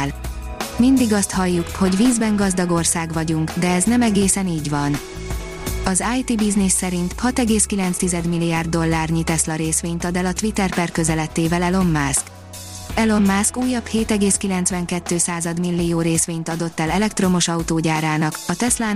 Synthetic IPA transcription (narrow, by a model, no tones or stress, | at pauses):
l | mind̪iɡɒst̪hɒjːukho̞ɟviːzbɛŋɡɒzd̪ɒɡo̞rsaːɡʋɒɟuŋkd̪ɛɛznɛmɛɡeːsɛniːɟʋɒn | ɒzaːjt̪ibiznisːɛɾint̪hɒt̪ɛɡeːskilɛnt̪st̪izɛd̪milːijaːrd̪ːo̞lːaːrɲit̪ɛslɒɾeːsʋeːɲt̪ɒd̪ɛlɒt̪ʋit̪ɛrpɛrkø̞zɛlɛt̪ːeːvɛlɛlo̞mːaːsk | ɛlo̞mːaːskuːjːɒbheːt̪ɛɡeːskilɛnt̪sʋɛŋkɛt̪ːøːsaːzɒd̪milːijoːɾeːsʋeːɲt̪ɒd̪o̞t̪ːɛlɛlɛkt̪ro̞mo̞ʃɒut̪oːɟaːɾaːnɒkɒt̪ɛslaː